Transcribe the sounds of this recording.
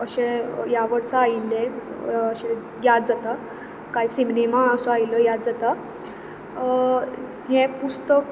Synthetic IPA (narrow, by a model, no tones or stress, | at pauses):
əɕejaʋəɾsaailːeəɕe | jad̪̚d͡zat̪a | kajsimnemaəsoajiləjad̪̚d͡zat̪a | ɦẽpust̪ək